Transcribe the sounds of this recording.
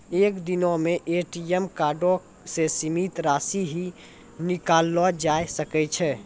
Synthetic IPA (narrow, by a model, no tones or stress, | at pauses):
ekd̪inomeʔeʈiemkaɾɖo | sesimit̪ɾasiɦi | nikalːɔd͡ʒaesəkɛt͡ʃʰɛ